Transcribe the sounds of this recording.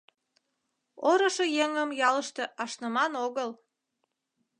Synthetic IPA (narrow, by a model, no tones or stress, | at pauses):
oɾəʃejeŋəmjɑləʃt̪eʔɑʃnəmɑnoɣəl